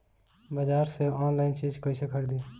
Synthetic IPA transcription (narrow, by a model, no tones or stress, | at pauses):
bəd͡ʒaːɾseɔːnlaːɪnsiːd͡ʒkɐisekʰəɾd̪iː